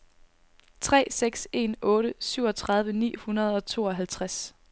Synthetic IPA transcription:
t͡sʰʁɛ̰ːseɡ̥se̝nɔ̽ːɾəsyʊɒ̽t͡sʰʁɑ̈ð̞ˠʋənḭːhunɐð̞̩ˠɒ̽t͡sʰo̝̰ːɒ̽ɦælt͡sʰʁas

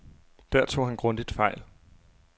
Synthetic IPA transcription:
d̥æɐ̰t͡sʰo̝̰ːhænɡ̥ʁɔ̽n̰d̥id̥fɑ̈ɪl

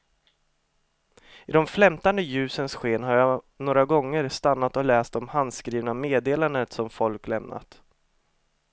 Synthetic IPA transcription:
ɪd̪ɔmflɛmt̪and̪əjʉ̟ːsənsɧeːnɦaɾja | noːɾaɡɔŋːəɾst̪anːat̪ɔlɛːst̪ɔmhand̪skɾiːvnameːd̪eːland̪ət̪sɔmfɔlklɛmnʔa̰t̪

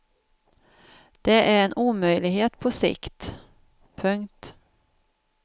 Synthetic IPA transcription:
d̪̥ɛʔæɾɛnʔuːmœjlɪɡɦeːt̪pʰɔsɪ̰kt̪ | pʰɵŋkt̪

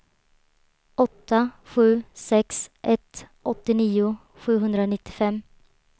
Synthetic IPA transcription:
ʔɔt̪ʰːaɧʉ̟ːsɛksʔɛt̪ʔɔt̪ːɪniːʊ | ɧʉ̟ːɦɵnd̪ɾanɪt̪ːɪ̥fɛmː

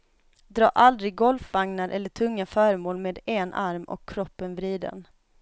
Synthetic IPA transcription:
d̪ɾɑ̰ːʔald̪ɾɪɡːɔlfvaŋnaɾʔɛlːəʈʰɵŋːafœːɾmoːlmeːd̪enʔaɾmɔ̰kʰːɾɔpːənvɾiːd̪ə̰n

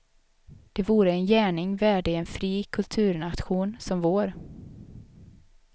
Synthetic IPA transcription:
d̪̥ɛvuːɾəɛnjæːɳɪŋvæːɖəɛnfɾiːkʰɵlt̪ʰʉ̟ːɾɳat̪ɧuːnsɔmvoːɾ

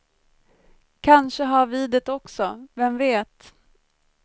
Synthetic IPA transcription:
kʰanʂəɦaɾviːd̪ət̪ɔksɔvɛmveːt̪

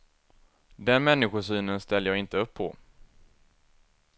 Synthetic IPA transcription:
d̪ɛnmɛnːɪɧʊʂyːnənst̪ɛlːəjɑːɡɪnt̪əɵpʰːɔ̰

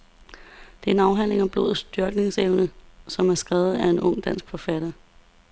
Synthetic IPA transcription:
d̥e̝æɐenɑ̈ʊɦæn̰le̝ŋæb̥lo̝̰ːð̩ˠsd̥yɐɡ̥ne̝ŋseʊnəsɒ̽mæɐsɡ̥ʁɛːʊð̩ˠæe̝nɔ̽ŋ̰d̥æn̰sɡ̥fɒ̽fæɾ̥ɐ

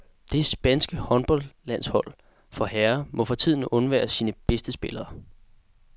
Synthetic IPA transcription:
d̥e̝sb̥ænsɡ̥əhɒ̽nb̥ɒ̽lːæn̰shɒ̽l̰ | fɒ̽hæɐmɒ̽fɒ̽t͡sʰið̞̰ˠn̩ɔ̽nʋæ̰ːɐsiːnəb̥esd̥əsb̥e̝lɐː

